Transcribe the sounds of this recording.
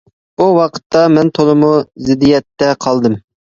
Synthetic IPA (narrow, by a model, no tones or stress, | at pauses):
uwɑqʰə̥t̪ːɑmɛnt̪ʰolˠɨmuzɪd̪ijɛt̪ːɛqʰɑlˠd̪ɨm